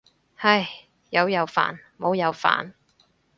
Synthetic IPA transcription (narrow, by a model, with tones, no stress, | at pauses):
hɐ˨j | jɐ˨˧wjɐ˨˧wfa̰ː˨˩nmo˨˧wjɐ˨˧wfa̰ː˨n